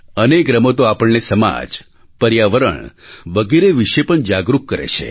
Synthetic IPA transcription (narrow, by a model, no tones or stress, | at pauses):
ənekɾəmot̪oapəɭnesəma̰d͡ʒ | pəɾjaʋəɾə̰ɳʋəɡeɾeʋiʃepəɳd͡ʒaɡɾukːəɾḛt͡ʃʰḛ